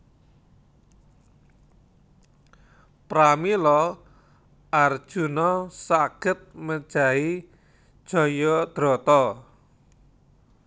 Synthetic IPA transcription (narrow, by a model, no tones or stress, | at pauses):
pɾamilɔ | ʔard̥ʒ̥ṳnɔsaɡ̥ə̤t̪̚məd̥ʒ̥a̤i | d̥ʒ̥ɔ̤jɔd̪̥ɾɔ̤t̪ɔ